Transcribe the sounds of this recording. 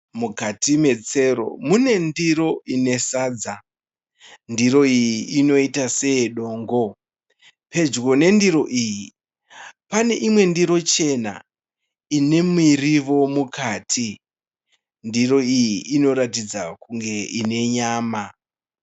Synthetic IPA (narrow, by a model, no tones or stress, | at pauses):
mukatime̞t͡se̞ɾo̞̰mune̞ndiɾo̞ine̞saːd͡za | ndiɾo̞ijiino̞itase̞ɗo̞ːŋɡo̞ | pe̞d͡ʒɡo̞ne̞ndiɾo̞ʔiːji | pane̞ʔimwe̞ndiɾo̞t͡ʃe̞na̰ | ine̞miriʋo̞mukʰaːtʰi | ndiro̞ijiʔino̞ɾatid͡zakuŋɡe̞ine̞ɲaːma